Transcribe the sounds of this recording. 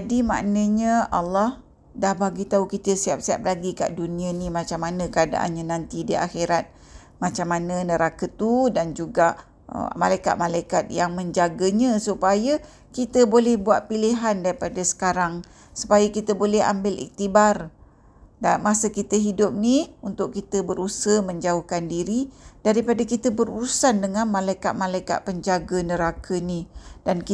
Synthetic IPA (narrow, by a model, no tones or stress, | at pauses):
d͡ʒadima̰ʔnəɲəa̰lːɔh | dahbaɡit̪aukit̪əsiap̚siap̚laɡika̰ʔdunĩənimat͡ʃamːanə̃kəada̰ʔa̰nɲanant̪idia̰xeɾat̪̚ | mat͡ʃamːanə̃nəɾakət̪udand͡ʒuɡaʔ | malajka̰t̪̚malajkat̪̚jaŋməɲd͡ʒaɡəɲə̃supajə | kit̪əbolɛhbuaʔ̪̚piliɦandaɾipadəsə̥kaɾaŋ | su̥pajakit̪əbolɛɦa̰mbɪlḭk̚t̪ibar | damasəkit̪əɦidʊp̚niunt̪ʊʔ̚kit̪əbəɾusəməɲd͡ʒauhkandiɾid̥aɾipadəkit̪əbəɾuɾusandəŋanmãlajka̰t̪̚malajka̰t̪̚pəɲd͡ʒaɡənəɾakʰənidank